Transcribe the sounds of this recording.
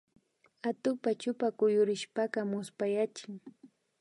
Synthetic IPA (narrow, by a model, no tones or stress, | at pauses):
at̪ʊpat͡ʃʊpakʊjʊɾɪʃpakɑmʊspajat͡ʃɪŋ